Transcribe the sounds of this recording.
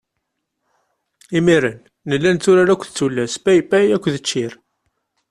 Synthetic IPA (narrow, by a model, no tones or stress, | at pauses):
imiɾənː | əlːænt̪ːʊɾaɾakʷːθt͡sːulːæsbæjpæjækʷːðət͡ʃːɪɾ